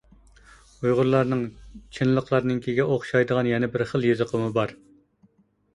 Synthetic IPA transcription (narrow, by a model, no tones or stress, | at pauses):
ujʁʊɾlˠɑɾnɨŋt͡ʃʰinlˠəqlˠɑɾnɨŋkʲʰiɡʲɛʔoχʃɑjd̪əʁɑnjɛnɛbɪɾχəlˠjezəqʰəmɨbɑɾ